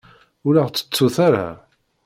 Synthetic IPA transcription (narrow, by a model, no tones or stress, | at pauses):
ʊlaʁt͡sːə̥t͡sːuθaɾa̰